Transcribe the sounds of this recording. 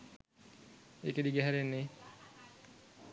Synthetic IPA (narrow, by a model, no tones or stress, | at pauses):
eked̪iɡeɦɛɾenːe